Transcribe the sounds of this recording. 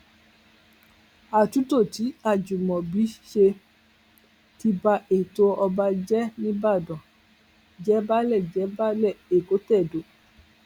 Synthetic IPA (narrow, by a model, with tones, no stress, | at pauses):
a˨tu˨˦to˦˨ti˨˦a˦˨d͡ʒu˨mɔ̃˨bi˨˦ʃe˧ | ti˧ba˧e˨to˦ɔ˧ba˧d͡ʒɛ˦nĩ˦ba˦˨dɔ̃˨ | d͡ʒɛ˨˦ba˦lɛ˦˨d͡ʒɛ˨˦ba˦lɛ˦˨e˨ko˨˦tɛ˦˨do˨˦